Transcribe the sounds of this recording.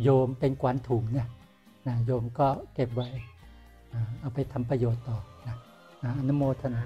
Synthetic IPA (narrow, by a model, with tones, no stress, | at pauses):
joː˧mpe˧nkwa˨˦nt̪ʰuː˩˦ŋni˦˥˩ɐ | na˦˥joː˧mkɔː˥˩ke˨˩p̚wa˦˥j | ʔaː˨˩ʔa˧˩wpa˧jt̪ʰa˧mpɾa˧joː˨˩t̪ːɔː˨˩na˦˥ | ʔaː˨˧˩ʔa˧nu˦˥moː˧t̪ʰa˧na˨˦